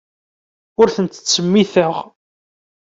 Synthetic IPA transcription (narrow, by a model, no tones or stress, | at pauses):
ʊɾθənt̪ə̥t͡sːəmːiθəʁ